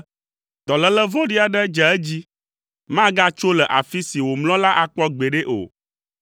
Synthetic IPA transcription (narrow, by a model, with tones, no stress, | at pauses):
d̪̥ɔ˨lə˦lə˦vɔ̃˦ɖi˦a˨ɖɛ˦d͡ʒɛ˨ɛ˦d͡ʑi˦ | mã˦ɡa˦t͡ʃo˦lɛ˨ʔa˨fi˦si˨wo˨mlɔ̃˦la˦ʔa˨k͡pɔ˦ɡ͡be˨ɖe˦ʔo̰˨